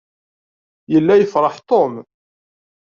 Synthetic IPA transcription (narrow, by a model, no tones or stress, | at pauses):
jəlːæjəfɾˤɑħt̪ˤom